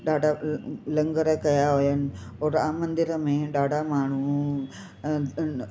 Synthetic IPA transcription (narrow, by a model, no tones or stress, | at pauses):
ɖaːɽalɐŋɡɐɾɐkɐjaɦojɐnoɾaːmɐnd̪iɾɐmẽɖaːɽamaːɳ̤u